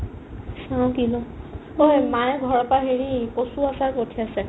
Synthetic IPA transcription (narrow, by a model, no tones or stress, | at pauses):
sãkilɔ̃ | ojmajɡʱɔɹɔpaɦeɹikosuasakotʰiasɛ